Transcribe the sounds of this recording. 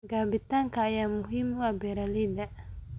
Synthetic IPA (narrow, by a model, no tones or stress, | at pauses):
ɡaːbit̪aŋkaːjaːmʊɦimwabɛɾalid̪a